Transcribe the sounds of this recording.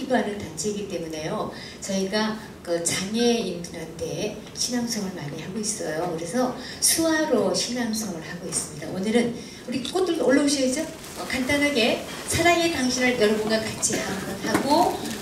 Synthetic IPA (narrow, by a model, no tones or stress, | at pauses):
iɡoanɯntant͡ɕʰeiɡit͈e̞mune̞jo | t͡ɕʌiɡa | kɯt͡ɕaŋe̞indɯɾantʰe̞ | ɕʰinamsʰʌŋɯɭmaɲihaɡois͈ʌjokɯɾe̞sʰʌ | sʰuaɾoɕʰinamsʰʌŋɯɭhaɡois͈ɯmɲida̰ʔonɯɾɯn | uɾik͈otɯoɭːʌuɕʰʌɦed͡ʑo | ʌkantanaɡe̞ | sʰaɾaŋe̞taŋɕʰinɯɭjʌɾʌbʌnɡakat͡ɕʰihanɡʌnhaɡo